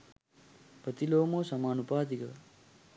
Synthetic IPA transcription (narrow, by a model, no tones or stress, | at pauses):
pɐt̪iloːmoːsɐmaːnupaːd̪ikɐ